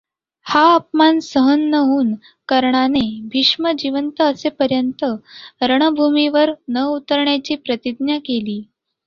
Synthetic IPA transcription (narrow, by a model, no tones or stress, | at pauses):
haəp̚mansəɦənːəɦuːn | kəɾɳanebʱiʂməd͡ʑiʋənt̪əːsepəɾjənt̪əɾəɳ̃əbʱumiʋəɾnəut̪əɾɳjat͡ɕiːpɾət̪id̪njakeliː